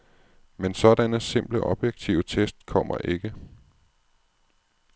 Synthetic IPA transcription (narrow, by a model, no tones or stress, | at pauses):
mensɒ̽d̥ænəse̝m̰b̥ləʔɒ̽b̥jeɡ̥̚t͡sʰḭʊət͡sʰesd̥̚kʰɒ̽m̰ɐ̰ʔe̝ɡ̥ə